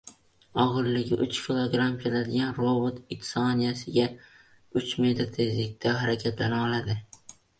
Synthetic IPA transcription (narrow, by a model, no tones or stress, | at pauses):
ɒʁɨɾlɪɡʲɪʔʊt͡ʃkʲʰilˠoɡɾamkʲʰelad̪ɪɡʲanɾobot̪ɪt̪sɒnijasɪɡʲa | ʊt͡ʃme̞t̪ʰɾt̪ʰe̞zlɪk̚ʲt̪ʰaɦaɾakʲʰat̪lanaɒlad̪ɪ